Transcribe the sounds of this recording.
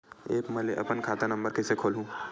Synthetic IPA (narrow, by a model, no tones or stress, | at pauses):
ḛːkmɛleʔɐ̰pənkʰaːt̪anɐ̃mbəɾkesekʰoːlɦũː